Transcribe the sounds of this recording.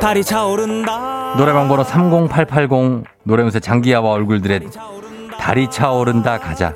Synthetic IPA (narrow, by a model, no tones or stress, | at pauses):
taɾit͡ɕʰaoɾɯndanoɾe̞baŋɡonosʰamɡoŋpʰaɭpʰaɭɡoŋ | noɾe̞musʰet͡ɕaŋɡiɦawaʌɭɡuɭdɯɾe̞ | ta̰ɾit͡ɕʰaoɾɯndakad͡ʑa̰